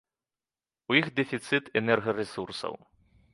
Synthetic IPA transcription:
ujixd̪ɛfʲit̪sɨt̪ɛnɛrɣɐɾɛsursɐ̰w

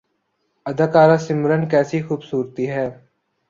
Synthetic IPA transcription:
əd̪akaːɾasɪmɾənkɛːsixuːbsuːɾt̪iɦɛː

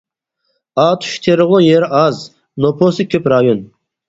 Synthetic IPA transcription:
ɑːt̪ʰy̥ʃt̪ʰeɾɨʁlˠojeɾʔɑz | nopʰosɨkʲʰøpɾɑjon

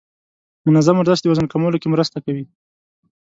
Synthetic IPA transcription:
mʊnazamwaɾd̪ɑsd̪ewazənkamolokemɾəst̪akawi

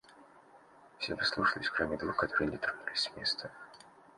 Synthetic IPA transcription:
fsʲevɨslˠuʂəlʲɪsʲkɾomʲɪd̪vuxkɐt̪o̞ɾɨjnʲɪt̪ɾonulʲɪsʲmʲe̞st̪ʰə

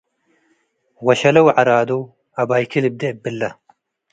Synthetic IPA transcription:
wɐɕɐlɐwʕaɾaːd̪o | ɐbaːjkilib̚d̪ebɪlːɐ

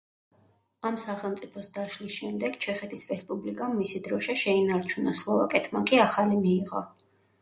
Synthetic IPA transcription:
amsaχɛlˠmt̪sʼipʰɔsd̪aʃlisʃɛmd̪ɛɡ̥t͡ʃʰɛχɛt̪ʰisɾɛspʼublikʼamːisid̪ɾɔʃɛʃɛinaɾt͡ʃʰunaslˠɔva̰kʼɛt̪ʰmakʼiaχalimiːʁɔ̰

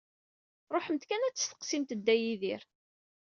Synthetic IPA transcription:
ɾˤoħəmt̪kænæt͡sːə̥sθə̥qsimt̪d̪ːæjiðiɾ

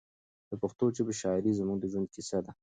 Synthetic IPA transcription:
d̪̥əpəxt̪ot͡ʃebəʃɑɪɾizəmuɡd̪əʒwand̪̚kisad̪a

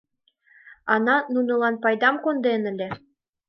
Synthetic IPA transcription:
ɑnɑnunɤ̆lɑnpɑjd̪ɑmkond̪enɘ̆lʲĕ

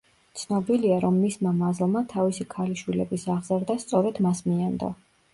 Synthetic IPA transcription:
t̪sʰnɔbiliaɾɔmːismamazlˠmat̪ʰavisikʰaliʃwilɛbisaʁzaɾd̪ast̪sʼɔɾɛd̪masmiand̪ɔ̰

